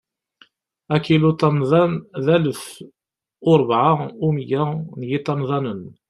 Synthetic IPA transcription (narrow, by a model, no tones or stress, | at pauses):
ækːilut̪ˤːɑmðˤɑnðæləf | ʊɾˤbʕaumjænjit̪ˤːɑmðˤɑnən